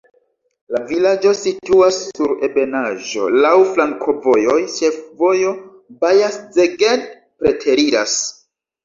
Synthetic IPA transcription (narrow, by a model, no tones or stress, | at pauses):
lavilad͡ʒo̞situasːuɾebe̞naʒo̞̰lawflaŋkʰo̞vo̞jo̞jʃe̞fvo̞jo̞ | bajasd͡zeɡend | pɾe̞tʰe̞ɾiɾas